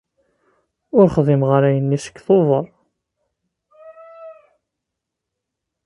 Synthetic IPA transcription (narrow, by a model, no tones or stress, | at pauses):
ʊɾχðˤimʁaɾæjənːisə̥kːθoðˤəɾˤ